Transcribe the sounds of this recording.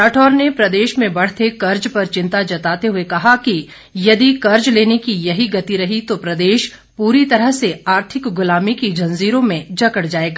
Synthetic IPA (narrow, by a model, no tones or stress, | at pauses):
ɾaːʈʰɔːɾnepɾɐd̪eːʃmẽbɐɽ̤t̪ʰekɐɾd͡ʒpɐɾt͡ʃɪ̃nt̪ad͡ʒɐt̪aːt̪eɦuekɐɦaki | jɐd̪ikɐɾd͡ʒleːnekijɐɦiɡɐt̪iɾɐɦit̪opɾɐd̪eːʃ | puːɾit̪ɐɾəɦseaːɾt̪ʰɪkɡʊlaːmikid͡ʒʱɐ̃nziːɾõmẽd͡ʒɐkəɽd͡ʒaːeːɡaː